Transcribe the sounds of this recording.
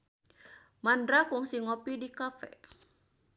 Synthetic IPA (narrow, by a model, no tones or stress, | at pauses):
mandɾakuŋsiŋɔpidikafɛ̰